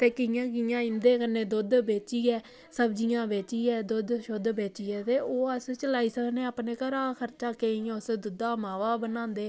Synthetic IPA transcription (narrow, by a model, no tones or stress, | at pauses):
t̪eːkɪjãːkɪjãːɪ̃nd̪eːkənːeːd̪ʊd̪beːt͡ʃiːɛː | səbd͡ʒijãːbeːt͡ʃiːɛːd̪ʊd̪ʃʊd̪beːt͡ʃiːɛːt̪eːoːəst͡ʃəlaːiːsəkʰneːaːpneːkəɾaːkʰəɾt͡ʃaːkeːĩʊsd̪ʊd̪aːmaːʋaːbənãːnd̪eː